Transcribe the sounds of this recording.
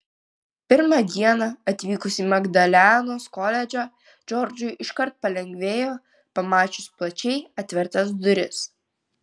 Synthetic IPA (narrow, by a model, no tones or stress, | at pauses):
pʲɪɾmɑd̪ʲiɛnɐɐt̪ʲʋʲiːkʊsʲimɐɡd̪ɐlʲænoːskɔlʲɛd͡ʒʲo | d͡ʒʲɔɾʲd͡ʒʲʊɪʔɪʃkɐɾt̪̚pɐlʲɛŋʲɡʲʋʲeːjoː | pɐmɑːt͡ʃʲʊsplˠɐt͡ʃʲɛɪɐt̪ʲʋʲɪɾt̪ɐsd̪ʊɾʲɪs